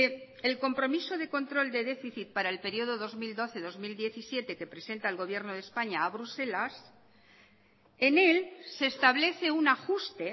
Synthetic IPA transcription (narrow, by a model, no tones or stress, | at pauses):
elko̞mpɾo̞miso̞ð̞e̞ko̞nt̪ɾo̞ld̪e̞ðe̞fiθit̪̚paɾaelpe̞ɾio̞ð̞o̞ðo̞zmild̪o̞θe̞ðo̞zmild̪jeθisje̞t̪e̞ke̞pɾe̞se̞nt̪aelɣo̞β̞je̞ɾno̞ð̞espaɲaːβɾuse̞las | ene̞lse̞ːst̪aβ̞le̞θe̞unaxust̪e̞